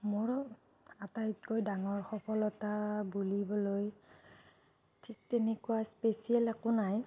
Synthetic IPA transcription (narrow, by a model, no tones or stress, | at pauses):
mʊɹ | atajt̚kojdaŋɔɹxɔpʰɔlɔtabulibɔloj | tʰik̚tɛnekuaspesiɛlakonaj